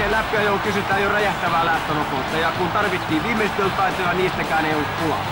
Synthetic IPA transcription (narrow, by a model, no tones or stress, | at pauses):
elæpːˑiæjokysyt̪æːjjoræjæht̪æʋæːlæːht̪onokot̪ːɑjɑkunt̪ɑrʋit̪ːiːʋʋiːmːeˑist̪olt̪ɑˑit̪ojɑniːst̪ækæːneˑiolːuk̪kulɑ̰̥